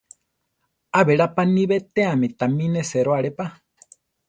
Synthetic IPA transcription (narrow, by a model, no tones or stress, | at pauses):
aβeɺapaniβet̪eamit̪amĩneseɾoaɺepa